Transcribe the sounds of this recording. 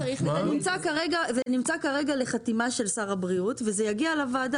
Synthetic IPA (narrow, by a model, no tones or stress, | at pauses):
aʁiχzenimt͡sakaʁeɡavenimt͡sakaʁe̞ɡale̞χatimaʃe̞lsaʁabʁiutvezejaɡialavaːda